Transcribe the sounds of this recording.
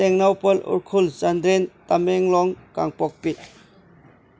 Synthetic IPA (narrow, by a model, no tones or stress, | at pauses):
ɛŋnawpəlṵɾkʰulzandɾentameŋlɔŋka̰ŋpɔk̚pit̚